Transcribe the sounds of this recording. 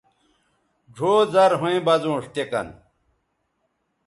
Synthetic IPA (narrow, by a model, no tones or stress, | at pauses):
ɖʱoːzɐɾɦõẽbɐzõːʂt̪ekɐ̰n